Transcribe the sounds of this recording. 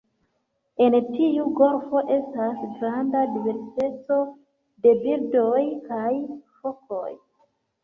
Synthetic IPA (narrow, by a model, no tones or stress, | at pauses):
e̞ntiuɡo̞ɾfo̞ʔe̞stasɡɾandadive̞ɾsi̥te̞t͡so̞ | de̞biɾdo̞jkajfo̞ko̞̰j